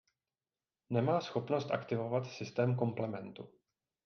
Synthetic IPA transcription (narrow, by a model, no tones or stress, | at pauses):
nɛmaːsxo̞pno̞st̪ʔa̰kt̪ɪvo̞vat̪sɪst̪ɛːmko̞mplɛmɛnt̪u